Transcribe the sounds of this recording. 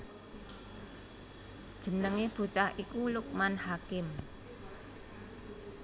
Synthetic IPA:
d̥ʒ̥ə̤nəŋeb̥ṳt͡ʃahʔikulʊk̚manhakɪm

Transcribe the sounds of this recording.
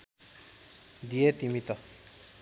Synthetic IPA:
d̪ijet̪imit̪ʌ

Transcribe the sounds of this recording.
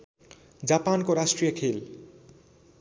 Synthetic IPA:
d͡ʑapankoɾaʃʈɾijokʰel

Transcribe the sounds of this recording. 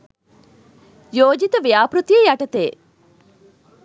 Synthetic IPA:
joːd͡ʒit̪ɐʋijaːpɾut̪iejɐʈɐt̪eː

